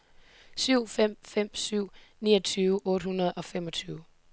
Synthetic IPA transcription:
syʊ̰fem̰fem̰syʊ̰nḭːɐt͡sʰyːʊʔɔ̽ːɾ̥hunɐð̞̩ˠɒ̽femɒ̽t͡sʰyːʊ

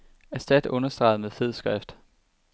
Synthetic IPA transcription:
æsd̥æd̥ɔ̽nɐsd̥ʁɑ̈ɪðˠmeðˠfe̝ð̞̰ˠsɡ̥ʁɛfd̥

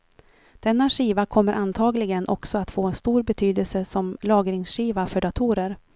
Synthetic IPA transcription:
d̪̥ɛnːaʂiːvakʰɔmːəɾʔant̪ʰɑːɡlɪɡənʔɔksɔat̪foːɛnst̪uːɾbɛt̪ʰyːd̪əlsəsɔmlɑːɡɾɪŋsɧiːvafœɖat̪ʰuːɾəɾ

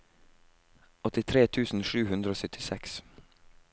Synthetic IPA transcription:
ɔt̪ɪt̪ʰɾeːt̪ʰʉːsn̩ʃʉːhʉnd̪ɾəoːsœt̪ʰɪsɛks

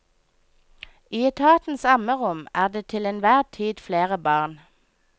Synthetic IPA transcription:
iːət̪ʰɑːt̪n̩sɑməʁʊmæːʁd̪eːt̪ʰɪleːnʋæːʁt̪ʰiːd̪fleːʁəbɑːʁn

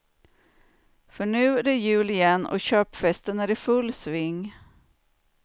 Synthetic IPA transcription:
fœɳʉ̟ːd̪ɛjʉ̟ːlɪjɛnːɔ̰ɕøːpfɛst̪ənæɖɪfɵlːsvɪŋː

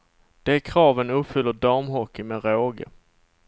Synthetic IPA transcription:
d̪̥ɛæɾkʰɾɑːvənɵpfʏlːəɖɑɾmɦɔkːɪmɛɾoːɡə̰

